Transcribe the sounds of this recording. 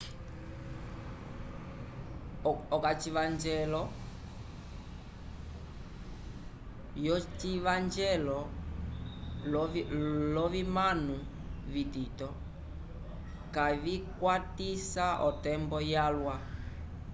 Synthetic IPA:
ɔkat͡ʃivand͡ʒɛlɔ | jɔt͡ʃivand͡ʒɛlɔ | lɔvimanu | vitit̪ɔ | kavikwatisaʔɔtɛmbɔjalwa

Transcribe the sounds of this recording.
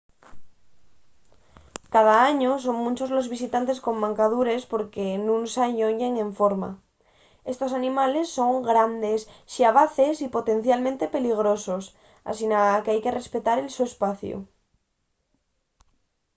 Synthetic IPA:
kað̞aaɲos̬o̞ŋmũnt͡ʃo̞zlo̞zβisit̪ant̪e̞sko̞mːãŋkað̞uɾe̞spo̞ɾkenũnsaɲoɲeŋẽ̞ɱfoɾma̰ | e̞st̪o̞s̬anĩmale̞sːo̞ŋɡɾand̪esʃiaβ̞aθe̞sipo̞t̪ẽ̞n̟θjalmẽnt̪e̞pe̞liɣ̞ɾo̞so̞s | a̰sinakeajke̞re̞spet̪aɾe̞lsoespaθjṵ

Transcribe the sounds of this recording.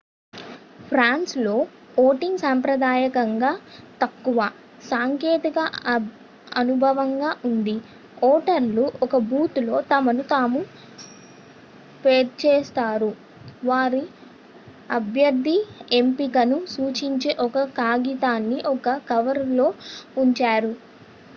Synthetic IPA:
pʰɾaːnslo̞ː | oːʈiŋɡsampɾɐd̪aːjɐkɐŋɡaːt̪ɐkːuʋɐ | saːŋkeːt̪ikɐ | ɐnubʱɐʋɐŋɡaːʔund̪i | ɔːʈɐɾluʔɔkɐbuːt̪lo̞ːt̪ɐmɐnut̪aːmu | peːɾt͡ʃeːst̪aːɾu | ʋaːɾi | ɐbʱjɐɾd̪ʱie̞mpikɐnusuːt͡ʃiɲt͡ʃeːʔɔkɐkaːɡit̪aːnːiʔɔkɐkɐʋɐɾlo̞ːuɲt͡ʃaːɾu

